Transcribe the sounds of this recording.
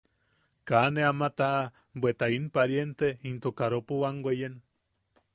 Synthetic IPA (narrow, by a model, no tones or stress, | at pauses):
kaneamat̪a | bwet̪ainpaɾjent̪eint̪okaɾopuwaŋɡʷejen